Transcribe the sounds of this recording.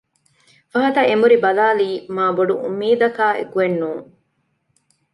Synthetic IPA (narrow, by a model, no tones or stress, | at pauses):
fɐɦɐt̪ɐemuɾibɐlaːliːmaːboɖuʔṵmːiːd̪ɐkaːḛkuenːuːŋ